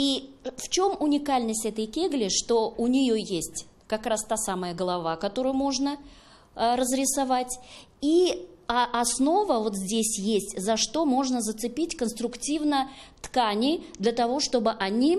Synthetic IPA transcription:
ift͡ɕo̞mʊnʲɪkalʲnəsʲtʲɛt̪əjkʲeɡlʲɪʂt̪o̞ʊnʲɪjojesʲtʲ | kɐkɾast̪asaməjəɡəlˠɐvakɐt̪o̞ɾɨʊjʊmo̞ʐnə | rəzɾʲɪsɐvatʲi | ʔɐsno̞vəvo̞t̪zʲdʲesʲjesʲtʲzɐʂt̪o̞mo̞ʐnəzət̪sɨpʲitʲkənst̪ɾʊktʲivnət̪kanʲɪd̪lʲət̪ɐvo̞ʂt̪o̞bɨʔɐnʲi

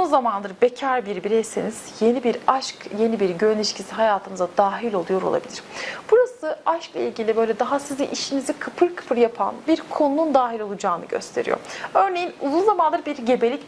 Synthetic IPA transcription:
uunzamanlˠɯɾɯbecʰaɾbiɾbiɾɛjseniz̥je̞nibiɾaʃkje̞nibiɾɟøɾnʲiʃcʰisiɦajaːt̪ʰɯmɯzad̪aːɦilʲo̞lˠujo̞ɾo̞̰lˠa̰bilʲḭɾ̥b̥uɾasɯaʃklˠa̰ilʲɟilʲibø̞jlʲɛd̪aɦasiziʔiʃinizikʰɯpʰɯɾkʰɯ̥pʰɯɾjapʰa̰nbiɾkʰo̞nunund̪aːɦilʲo̞lˠud͡ʒaːnɯɟø̰st̪ʰe̞ɾḭjo̰ɾø̞ɾne̞jinuzunzamanlˠɯɾɯbiɾɟe̞be̞lʲic

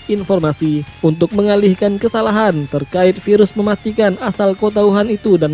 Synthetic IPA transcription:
infɔrmasiunt̪ʊk̚məŋalɪhkankəsalaɦant̪ərkaɪt̪̚fiɾʊsməmast̪ikanasalkot̪̬auɦanit̪udan

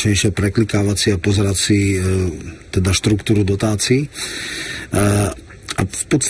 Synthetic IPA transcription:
t͡ʃɲɛjʃɪɛpɾɛklikaːʋat͡siapɔzɛɾat͡si | t̪ɛd̪aʃt̪ɾukt̪uːɾud̪ɔt̪aːt͡siː | a̰fpɔt̪st̪

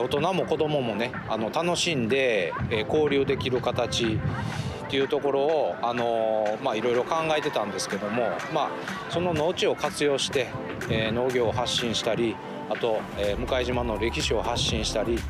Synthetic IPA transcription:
o̞t̪o̞namo̞ko̞d̪o̞mo̞mo̞ne̞ | ano̞t̪ano̞ɕĩnd̪e̞ːko̞ːɾʲɯːd̪e̞kʲiɾɯ̟kat̪at͡ɕi | t̪ːe̞jɯ̟t̪o̞ko̞ɾo̞ːano̞maiɾo̞iɾo̞kãŋɡae̞t̪e̞t̪ãnd̪e̞sɨ̥ke̞d̪o̞mo̞ma | so̞no̞no̞ːt͡ɕio̞kat͡sɨjo̞ːɕi̥t̪e̞ | no̞ːɡʲo̞ːɦaɕːĩɰ̃ɕi̥t̪aɾʲi | at̪o̞eːmɯ̟kaiʑimano̞ɾe̞kʲiɕio̞haɕːĩɰ̃ɕi̥t̪aɾʲi

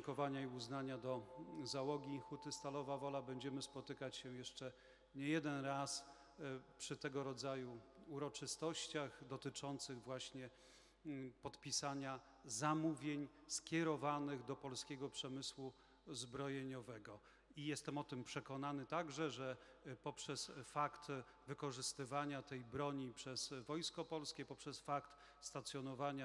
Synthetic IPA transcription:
ŋkɔvaɲaiuznaɲad̪ɔzawɔɡʲixut̪ɘst̪alɔvavɔlabɛɲd͡ʑɛmɘspɔt̪ɘkat͡ɕɕɛjɛʂt͡ʂɛ | ɲɛjɛd̪ɛnɾas | pʂɘt̪ɛɡɔɾɔd̪zajuuɾɔt͡ʂɘst̪ɔɕt͡ɕaɣd̪ɔt̪ɘt͡ʂɔnt̪sɘɣvwaɕɲɛ | pɔt̪pʲisaɲa | zamuvʲjeɲskʲjɛɾɔvanɘɣd̪ɔpɔlskʲɛɡɔpʂɛmɘswu | zbɾɔjeɲɔvɛɡɔ | ijɛst̪ɛmɔt̪ɘmpʂɛkɔnanɘt̪aɡʐɛʐɛpɔpʂɛsfakt̪ | vɘkɔʐɘst̪ɘvaɲat̪ɛjbɾɔɲipʂɛzvɔjskɔpɔlskʲɛpɔpʂɛsfakt̪ | st̪at̪sʲjɔnɔvaɲa

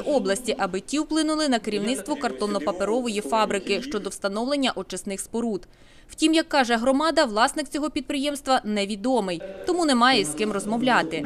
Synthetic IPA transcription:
ʔɔblˠɐsʲtʲiʔɐbɪtʲiwplˠɪnʊlˠɪnɐkeɾʲiwnɪt̪st̪ʋɔkɐrt̪ɔnɔpɐpeɾɔʋɔjifɑbɾɪkɪʃt͡ʃɔd̪ɔwst̪ɐnɔwlˠenʲːɐʔɔt͡ʃɐsnɪxspɔɾud̪ | w̥tʲimjɐkːɑʒɛɦɾɔmɑd̪ɐʋlˠɑsnɪkt͡sʲɔɦɔpʲid̪̚pɾɪjɛmst̪ʋɐnɛʋʲid̪ɔmɪjt̪ɔmunɛmɑjɛiskɪmrɔzmɔʋlʲɑt̪ɪ

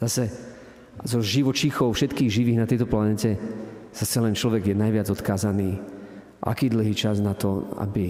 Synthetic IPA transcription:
z̥asɛ | zɔʒiʋɔt͡ʃixɔʊfʃɛt̪kiːɣʒiʋiːɣnat̪ɛjt̪ɔplanɛcɛz̥asɛlɛnt͡ʃlɔʋɛɡjɛnajʋɪad͡zɔt̪kaːzaniː | ʔa̰kiːd̪l̩ɦiːt͡ʃaznat̪ɔa̰bi

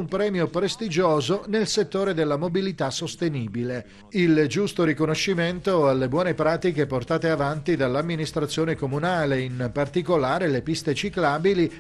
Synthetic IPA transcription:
umpɾɛːmjopɾest̪id͡ʒoːzonelset̪ːoːɾed̪elːamobilit̪asːost̪eniːbile | ild͡ʒust̪oɾikonoʃːiment̪oalːebwɔːnepɾaːt̪ikeport̪aːt̪eavant̪id̪alːamːinist̪ɾat̪sːjoːnekomunaːleimpart̪ikolaːɾelepist̪et͡ʃiklaːbili

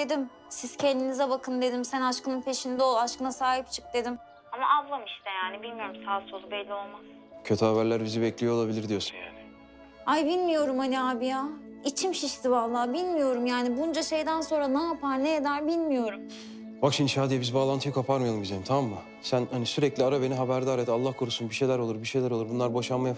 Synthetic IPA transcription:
d̪ed̪im | siz̥cʰɛnd̪inizɛbakʰɯnd̪e̞d̪imsænaʃkɯnɯnpʰe̞ʃind̪ɛo̞lˠaʃkɯnasaːɦip̚t͡ʃʰɯ̥k̚d̪e̞d̪im | amaʔavlˠamɯʃt̪ɯjaːnibilʲmijo̞ɾumsʰaːsolˠubɛlʲːio̞lˠmas | cʰøt̪ʰyhavæɾlʲæɾbizibɛclʲijolˠabilʲiɾd̪ijosun | ajbilʲmijo̞ɾumhaniaːbijait͡ʃʰimʃiʃt̪ivalˠːaːbilʲmijo̞ɾumjaːnibund͡ʒaʃe̞jd̪ænso̞nɾanajapaɾnejed̪æɾbilʲmijo̞ɾum | bakʃinʃaːd̪ijabizibaːlˠant̪ʰɯjakʰapʰaɾmɯjalɯmbid͡ʒejmt̪ʰamamma | sænhanisyɾɛclʲiaɾabe̞niɦabæɾd̪aːɾet̪alˠːahkʰoɾusunbiʃejlʲæɾolˠuɾbiʃejlʲæɾo̞lˠuɾbunlˠaɾboʃanmaja

